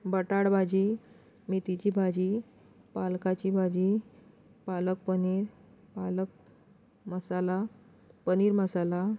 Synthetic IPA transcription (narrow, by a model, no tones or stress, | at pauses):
bəʈaɽbʱad͡ʑiː | mit̪it͡ɕibʱad͡ʑiː | palkat͡ɕibʱad͡ʑi | palək̚pəniɾ | palək̚ | məsala | pəniːɾməsala